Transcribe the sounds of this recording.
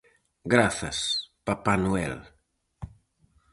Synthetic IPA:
ɡɾaθa̰spapanuɛ̰l

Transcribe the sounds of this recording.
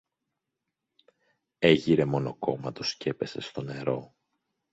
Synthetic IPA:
e̞ʝiɾe̞mo̞no̞ko̞mɐt̪o̞sce̞pe̞se̞st̪o̞ne̞ɾo̞

